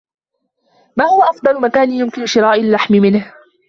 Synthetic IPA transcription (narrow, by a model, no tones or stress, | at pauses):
maːhʊwaʔɑfd̪ˤɑlʊmakaːnɪjʊmkɪnʊʃɪɾˤɑːʔalːaħmɪmɪnh